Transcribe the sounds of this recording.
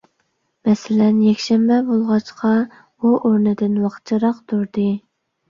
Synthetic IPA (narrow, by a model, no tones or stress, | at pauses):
mɛsɪlɛnjɛkʲʃɛmbɛbolˠʁɑt͡ʃqʰɑ | uʔoɾnɨd̪ɪnwɑqʰt͡ʃʰiɾɑqt̪ʰuɾd̪ɨ